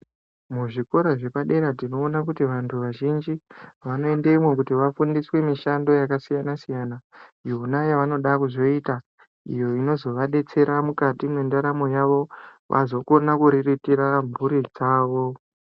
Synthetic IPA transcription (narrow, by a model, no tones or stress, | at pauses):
muʐiko̞ɾaʐe̞paɗe̞ɾatino̞ːnak̬utiʋantʰuʋaʒind͡ʒiʋano̞e̞ndeimwe̞kutiʋafundiswe̞miʃando̞jakasijanasijanajounajaʋano̞ɗakuzo̞ita | ḭjo̞ino̞zo̞ʋaɗe̞t͡se̞ɾamukatimwendaɾamo̞jaʋo̞ʋʔa̰zo̞ko̞nakuɾiritiɾamuɾid͡zaːʋo̞